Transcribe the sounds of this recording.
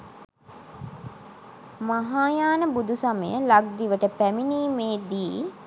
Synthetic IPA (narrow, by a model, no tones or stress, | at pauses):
maɦaːjaːnəbud̪usaməjəlaɡ̚d̪iʋəʈəpæminiːmeːd̪iː